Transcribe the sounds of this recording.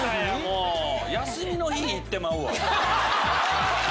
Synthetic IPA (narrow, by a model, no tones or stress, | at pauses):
moːjasɨɾʲino̞çiɲ̟iːt̪ːe̞maɯ̟a